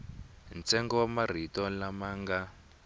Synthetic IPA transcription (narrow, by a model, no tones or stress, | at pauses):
nt͡sɛŋɡɔwamar̤itɔlamaːŋɡa